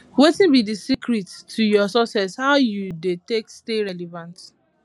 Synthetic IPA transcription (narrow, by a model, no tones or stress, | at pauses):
wetĩnbidisikʰɹitʰːujɔsɔsɛshaʊjudeteksteɹɛlɛvãnt